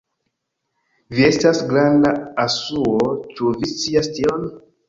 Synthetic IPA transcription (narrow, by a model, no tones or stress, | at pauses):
vie̞stasɡɾandaasuot͡ʃuvist͡siastion